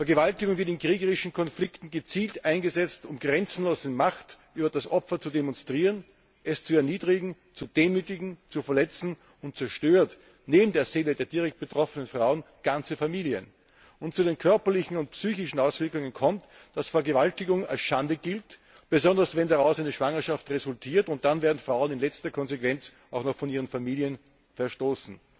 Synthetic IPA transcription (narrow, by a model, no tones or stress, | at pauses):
fɛɐɡəvaltɪɡʊŋvɪɐtɪnkʁ̥iːɡəʁɪʃn̩kʰɔnflɪktn̩ɡət͡siːltʔaɪnɡəzɛt͡stʊmɡʁɛnt͡sn̩loːzəmaxtʔyːbɐd̥asʔɔpfɐt͡sudemɔnstʁ̥iːʁən | ʔɛst͡suɛɐniːdʁɪɡŋ̩ | t͡sud̥eːmyːtɪɡŋ̩t͡sufɐlɛt͡sn̩ | ʊnt̚t͡sɛɐʃtøːɐt | neːbm̩deːɐz̥eːlədeːɐdiːʁɛk̚t̚b̥ətʁɔfənənfʁ̥aʊən | ɡ̥ant͡səfamiːliə̰n | ʊntt͡suɾeːnkʰœɐpɐlɪçn̩ʊntpsyːçɪʃn̩aʊsv̥ɪɐklʊŋənkʰɔmt | d̥asfɛɐɡəvaltɪɡʊŋa̰lsʃandəɡɪlt | b̥əzɔndɐsvɛndaʁaʊsaɪnəʃv̥aŋɐʃaftʁezʊltʰiːɐtʊnt̚d̥anveːɐdn̩fʁ̥aʊənɪnlɛt͡stɐkʰɔnzekv̥ɛnt͡s | aʊxnɔχxfɔniːʁ̞ənfamiːljən | fɛɐʃtoːsn̩